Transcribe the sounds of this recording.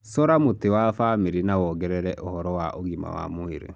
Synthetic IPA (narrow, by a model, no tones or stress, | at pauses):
sɔɾamotewafameɾinawɔːɡɛɾɛɾɛʔohɔɾɔwaʔoɣima̰wa̰moeɾḛ